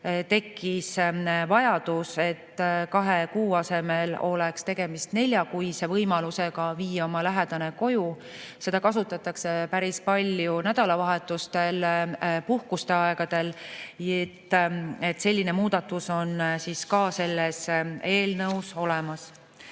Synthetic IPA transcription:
t̪e̞kʰːisvɑjɑd̪̥use̞t̪ːkɑɦe̞kuːɑse̞me̞lo̞̰lɛkst̪e̞ɡ̥e̞mist̪ne̞lʲjɑkujse̞vɤjmɑluse̞ɡ̥ɑviːjːɑo̞mɑlæɦɛd̪̥ɑne̞ko̞ju | se̞d̪̥ɑkɑsut̪ːˑɑt̪ːˑɑkse̞pæɾispɑlʲjunæd̪̥ɑlɑvɑɦe̞t̪ːˑust̪e̞lpuhkust̪e̞ɑe̞ɡ̥ɑd̪̥e̞let̪ːe̞t̪ːˑse̞lʲːine̞muːd̪ɑt̪ːˑuso̞nsiskɑːse̞lːese̞ːlnɤwso̞lɛmɑs

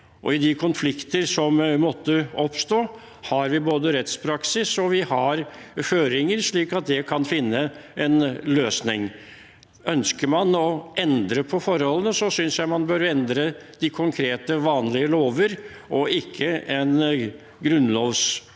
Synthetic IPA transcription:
ʔɔ̰ɪd̪ɪkʰʊnflɪkt̪əɾsɔmmɔt̪ːəɔpst̪oː | hɑɾʋɪboːd̪əɾɛt̪spʰɾɑksɪsɔʋɪhɑɾføːɾɪŋəɾʂɭiːkɑt̪̚d̪ɛkʰɑnfɪnːəɛnløːsnɪŋ | œnskəɾmɑnɔʔɛnd̪ɾəpʰɔfɔɾhɔlːənəsɔsʏnsjæɪmɑnbœɾɛnd̪ɾəd̪̥ɪkʰʊŋkʰɾeːt̪əʋɑːnlɪəloːʋəɾ | ʔɔɪkʰːəɛn | ɡɾʉnloːʋs

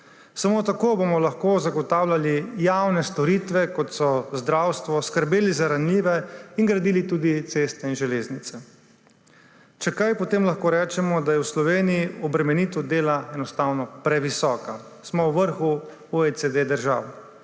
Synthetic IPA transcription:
samot̪akoːbomɔlaxkozaɡɔt̪aːwlʲalijawnɛst̪ɔɾiːt̪ʋɛkɔt̪sɔzd̪ɾaːwst̪ʋɔskəɾbeːlizaɾanliːʋɛinɡɾad̪iːlit̪uːd̪it̪seːst̪ɛinʒɛleːznit̪sɛ | t͡ʃɛkajpɔt̪eːmlaxkoːɾɛːt͡ʃɛmɔd̪ajɛwslɔʋeːnijiɔbɾɛmɛniːt̪ɔd̪eːlaɛnɔst̪aːwnɔpɾɛʋisɔːka | smɔwʋəɾxu | uɛsed̪ed̪əɾʒa̰ːwɛ

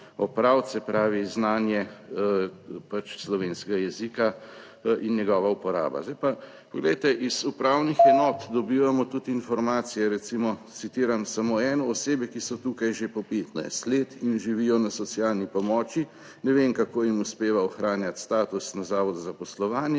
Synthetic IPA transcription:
ɔpɾawt̪sɛpɾaːʋiznaːnjɛ | pat͡ʃslɔʋeːnskɛɡajɛzika | injɛɡɔːʋaupɔɾa̰ːba̰zd̪ajpa | pɔɡlɛjt̪ɛʔizupɾawnixɛnɔːt̪d̪ɔbiːʋamɔt̪ut̪infɔɾmaːt̪sijɛɾɛt̪simɔt̪sit̪iːɾamsamoɛːnɔːseːbɛkisɔt̪ukajʒepɔpeːt̪na̰jst̪leːt̪inʒiʋijɔnasɔt̪sjalnipɔmɔːt͡ʃi | nɛʋemkakoːjimuspeːʋaɔxɾaːnjat̪st̪aːt̪usnazaːʋɔd̪zapɔslɔʋaːnjɛ

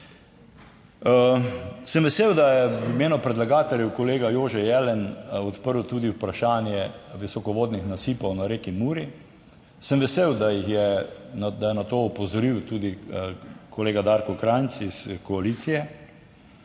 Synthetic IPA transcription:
səmʋɛseːwd̪ajɛʋimeːnɔpɾɛd̪laɡaːt̪ɛljɛwkɔleːɡajoːʒɛjɛlɛnɔt̪pəɾwt̪uːd̪iwpɾaʃaːnjɛʋisɔkɔʋoːd̪nixnasiːpɔwnaɾeːkimuːɾi | səmʋɛseːwd̪ajixjɛnd̪ajɛnat̪oːɔpozɔɾiwt̪uːd̪i | koleːɡad̪aɾkɔkɾansiskoaliːt̪sijɛ

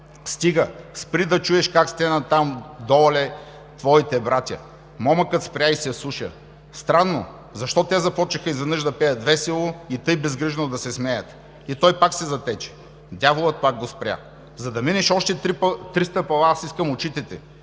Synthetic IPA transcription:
st̪iɡəspɾid̪ɐt͡ʃuɛʃkakst̪ɛnɐt̪amd̪ɔlɛ | t̪vɔit̪ɛbɾat̪ʲjɐ̰ | mɔmɐkət̪spɾʲjaisɛɐsˠuʃə̰ | st̪ɾanːo̰ | zɐʃt̪ɔt̪ɛzɐpɔt͡ʃixəizvɐnɤʒd̪ɐpɛjəd̪d̪vɛsilˠoit̪ɤjbɛzɡɾiʒɛnod̪ɐsɛsmɛjət̪ | it̪ɔjpaksɛzɐt̪ɛt͡ʃɛ̥ | d̪ʲavolˠət̪̚pak̚ɡospɾʲja̰ | zɐd̪ɐminɛʃɔʃt̪ɛt̪ɾist̪əpɐlˠaasiskəmot͡ʃit̪ɛt̪ɛ

